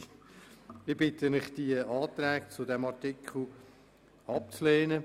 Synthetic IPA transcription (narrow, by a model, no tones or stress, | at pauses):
ɪbɪt̪ənɪχd̥̪iəʔɑːt̪ɾæːk̚t͡sʊdɛmɑɾtɪkχl̩ˠ | ɑp̚t͡sleːnə